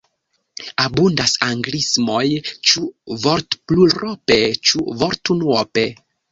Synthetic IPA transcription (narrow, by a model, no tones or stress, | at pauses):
abundasaŋɡlismo̞jt͡ʃuvoɾtpluɾʔope̞t͡ʃuvoɾtunwope